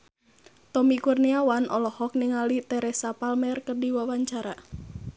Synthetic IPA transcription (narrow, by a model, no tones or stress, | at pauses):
t̪ɔmikurniawanʔɔlɔhɔk̚niŋalit̪ɛɾɛsapalmɛrkərdiwawaɲt͡ʃaɾa